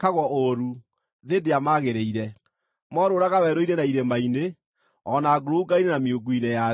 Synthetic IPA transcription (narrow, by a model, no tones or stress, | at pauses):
kaɣwɔʔoɾu | ðedeamaɣeɾeiɾɛ | mɔɾoːɾaɣawɛɾoiɾɛnaiɾembaine | ɔnaːɡoɾouɡaienameoɡuinɛja